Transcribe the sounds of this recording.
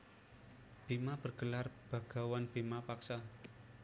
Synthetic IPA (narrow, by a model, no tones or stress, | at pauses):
b̥e̤mab̥ərɡ̥əlarb̥a̤ɡ̥a̤wanb̥emapaksa